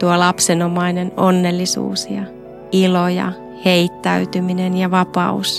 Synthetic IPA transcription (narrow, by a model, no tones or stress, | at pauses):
t̪uolɑpsenomɑinenonːelːisṵːsjɑ | ilojɑ̰ | heit̪ːæyt̪yminenjɑʋɑpɑ̰us